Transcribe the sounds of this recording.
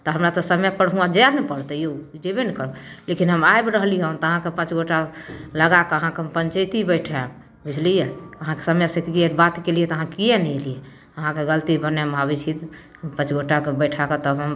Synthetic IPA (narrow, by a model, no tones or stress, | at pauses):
t̪ɔɦəmɾat̪ɔsəmɛjpəɽɦuad͡ʒɛnepəɽt̪əjod͡ʒebenkəɾlekinɦəmajbɾəɦliənt̪ɔəɦãkepə̃t͡ʃɡʱoʈaləɡakeəɦãkeɦmpəɲt͡ʃəjt̪ibəɪʈʰɛ | bid͡ʒʰlijeəɦãke̥səmɛjsẽkkiebat̪kelijɛt̪əɦãkijɛnɛelije | əɦãkeɡəlt̪ibəneɦmabit͡ʃʰit̪ | pə̃t͡ʃɡʱoʈakebəɪʈʰaket̪əbɦəm